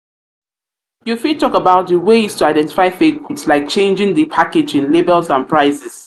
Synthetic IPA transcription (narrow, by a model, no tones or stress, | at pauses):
jufitʰɔkəbaʊt̚ðəweɪz̥tʰuaɪdɛ̃nti̥faɪfekutslaɪk̚t͡ʃʰẽɪ̃nd͡ʒɪ̃ŋðəpʰakɪd͡ʒɪ̃nlibɛlzãnpʰɹaɪsɪs